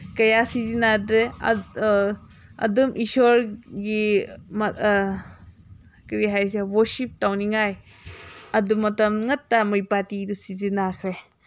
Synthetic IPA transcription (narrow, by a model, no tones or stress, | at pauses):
kɐjasizinadɾe | ɐ̰dumʔisɔɾɡim | kɾiɦajs̬ewɔsip̚tawniŋaj | ɐdumɐtɐmŋɐtːamɯjpatidusizinakʰɾe